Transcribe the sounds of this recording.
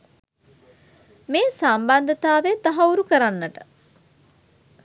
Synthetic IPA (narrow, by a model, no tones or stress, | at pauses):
meːsamband̪ət̪aːʋet̪aɦɐuɾukəɾanːəʈə̥